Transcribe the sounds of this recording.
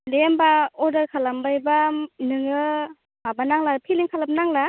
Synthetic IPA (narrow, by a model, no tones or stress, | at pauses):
lembaɔdaɾkʰalambajbanɯŋɯ | mabanaŋlapʰiliŋkʰalap̚naŋla